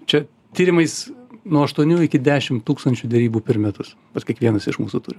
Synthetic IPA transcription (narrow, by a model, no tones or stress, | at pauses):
t͡ʃʲɛ | t̪ʲiːɾʲɪmɐɪsnuɔɐʃt̪uɔnʲuːɪkʲɪd̪ʲæːʃʲɪmtt̪uːkst̪ɐnʲt͡ʃʲud̪ʲɛɾʲiːbuːpʲɪɾmʲɛt̪ʊs | pɐt̪skʲiɛkʋʲiɛnɐsɪʃmuːsut̪ʊːɾʲɪ